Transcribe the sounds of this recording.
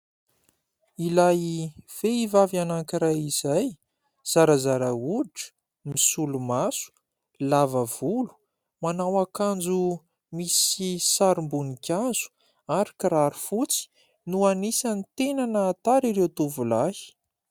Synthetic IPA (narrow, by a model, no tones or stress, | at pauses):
ilajiv̥eivavanaŋkiɾajizaj | z̥aɾazaɾauʈ͡ʂə̥ | misulumasu̥ | lavəv̥ulu̥ | manawakand͡zu | misisaɾimbunikʲaz̥u̥ | aɾakiraɾufut͡si̥ | nuanisanit̪enanəːt̪aɾiɾewt̪uvulahi̥